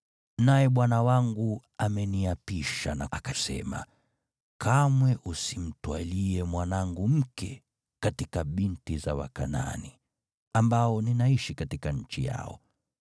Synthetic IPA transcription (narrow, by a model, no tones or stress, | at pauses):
najɛɓwanawaŋɡuamɛniapiʃanaːkasɛ̰ma̰ | kʰamwɛʔusim̩twaliɛmwanaŋɡum̩kɛ | katikaɓintizawa̰kana̰ni | ambaɔninaiʃikatikaɲ̩t͡ʃija̰ɔ̰